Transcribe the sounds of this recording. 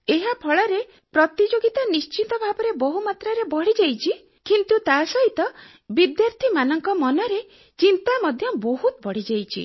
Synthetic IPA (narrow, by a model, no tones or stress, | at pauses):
eɦapʰɔɭɔɾe | pɾɔt̪id͡ʒoɡit̪anist͡ʃit̪ɔbʱabɔɾebɔɦumat̪ɾaɾebɔɽ̤id͡ʒajt͡ʃʰi | kint̪ut̪asɔɦit̪ɔ | bid̪jaɾt̪ʰimanɔŋkɔmɔnɔɾe | t͡ʃint̪amɔd̪ʱjɔbɔɦut̪bɔɽ̤id͡ʒajt͡ʃʰḭ